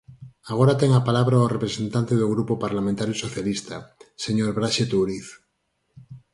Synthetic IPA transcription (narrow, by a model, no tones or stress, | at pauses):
aɣ̞oɾat̪eŋapalaβɾaorepɾesẽ̞nt̪ant̪eðoɣɾupopaɾlamẽnt̪aɾjusoθjalist̪aseɲoɾβɾaʃet̪uɾiθ